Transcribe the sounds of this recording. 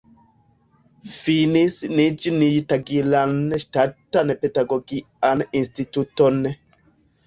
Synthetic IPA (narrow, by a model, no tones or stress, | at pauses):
finisnid͡ʒnijtaɡilanʃtatːanpedaɡoɡi | aninstitutonːe